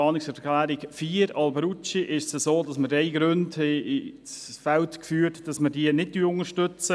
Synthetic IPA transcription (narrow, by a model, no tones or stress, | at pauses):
ɑːnɪksɛɾklæːɾɪkfiːɾɑlbəɾut͡ʃiʔɪʃsəsoːdɑsməɾɛɪɡɾønd | t͡sfɛltkfyːɾtd̥ɑsmədiənɪd̚dyːʊŋəʃtʏt͡sə